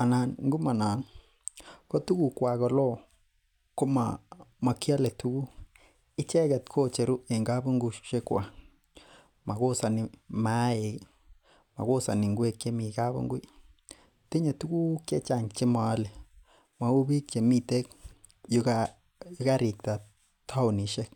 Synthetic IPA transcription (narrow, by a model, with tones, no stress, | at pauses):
a˨na˨nŋɡu˦ma˨na˨n | ko˦tu˦ku˨kwa˨kɔ˨lɔ˦ | ko˦ma˨ma˨kja˦le˨tu˦ku˦ | ɪ˦t͡ʃɛ˦kɛ˨t̪kʰo˦˨t͡ʃe˨ɾu˦e˨ŋɡa˦bu˦ŋɡu˦ʃʃe˦kwa̰˨ | ma˨ko˦sa˨ni˨ma˦e˨ | ma̰˨ɡo˦sa˨ni˨ŋɡwe˦˨kje˦mi˨ɡa˦bṵ˦ŋɡu˦ | t̪i˦ɲa˨tu˦ɡu˦ke˦t͡ʃa˨ŋt͡ʃe˦ma˨˦le˨ | ma˨u˦bi˦kt͡ʃe˨mi˧t̪e˦k | ja | jɡa˦ɾi˨k̚t̪a˨ | t̪ʰa˦wni˨ʃe˦k̚